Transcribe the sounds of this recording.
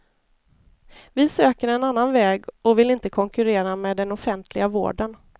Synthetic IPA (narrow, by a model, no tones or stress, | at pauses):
vɪsøːkəɾɛnanːanvɛːɡɔvɪlɪnt̪əkʰɔŋkɵɾeːɾamɛːd̪ɛnɔfɛnt̪ʰlɪɡavo̰ːɖən